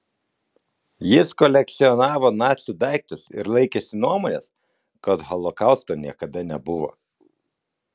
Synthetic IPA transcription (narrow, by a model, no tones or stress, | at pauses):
jɪskɔlʲɛk̚t̪sʲɪɔnɑːʋoːnɑːt̪ʲsʲud̪ɑˑɪk̚t̪ʊsɪ̰ɾlˠɐɪkʲesʲɪnuɔmɔːnʲes | kɐt̪ɣɔlˠɔkɑˑʊst̪oːnʲiɛkɐd̪ɐnʲɛbʊʋo̰ː